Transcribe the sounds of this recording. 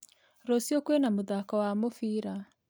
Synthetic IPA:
ɾosiokwenamuðakɔwamofiːɾa

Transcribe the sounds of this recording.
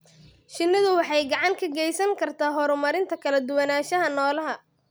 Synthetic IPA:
ʃɪnːɪðʊwɑħɑjɡɑʕɑŋkʰɐɡɛjsɐŋkʰɐrt̪ʰaːɦɔɾʊmɐɾɪnt̪ʰɐkʰɐlɐd̪ʊwɐnaːʃɐɦɐnɔːlɐɦɐ

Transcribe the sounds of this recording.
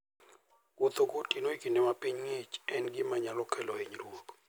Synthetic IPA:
kot̪okotinoikindemapiɲŋet͡ʃɛnɡɪmaɲalɔkʰɛlɔeɲɾwok

